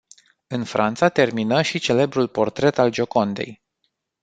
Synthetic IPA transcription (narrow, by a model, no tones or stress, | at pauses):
ɨnfɾʔant̪sat̪e̞rminəʃit͡ʃe̞le̞bɾulpo̞rt̪ɾe̞t̪ald͡ʒo̞ko̞nd̪e̞̰j